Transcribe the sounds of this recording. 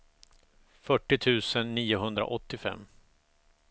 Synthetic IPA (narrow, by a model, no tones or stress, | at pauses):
fœʈːɪt̪ʰʉ̟ːsənːiːʊɦɵnd̪ɾa̰ʔɔt̪ːɪfɛ̰mː